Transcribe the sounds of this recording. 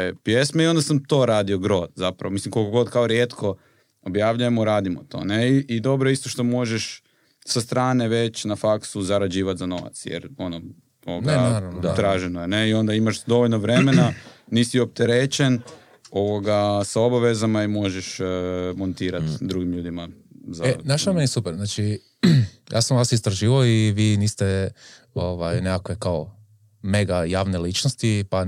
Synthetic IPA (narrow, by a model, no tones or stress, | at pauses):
pjesmeio̞nd̪asamt̪o̞ːɾaːd̪io̞ɡɾo̞d̪zapɾa̰ʋomislimkolkoɡo̞d̪kaoɾjet̪kʰo̞ | objaːʋʎujemoɾaːd̪imot̪o̞̰neiːd̪o̞bɾoeist̪oʃt̪o̞mo̞ʒeʃ | sast̪ɾaːne̞ʋe̞t͡ɕnafaksuzaɾad͡ʑiːʋat̪zano̞ʋa̰t̪sjɛ̰ɾo̞no | oʋoɡat̪ɾaːʒenoeneio̞nd̪aimaʃd̪o̞ʋoʎnoʋɾe̞me̞naniːsiop̚t̪eɾet͡ʃen | o̞ʋoɡasao̞baʋezamaimo̞ʒɛʃmont̪iːɾat̪d̪ɾuɡimʎuːd̪ima | zaenaʃamenisupeɾznaːt͡ʃi | jʔa̰ːsamʋaːsist̪ɾaʒiːʋaoiʋiːniːst̪e | oʋajnekakʋe̞kao | me̞ɡajaːʋne̞lit͡ʃnost̪ipa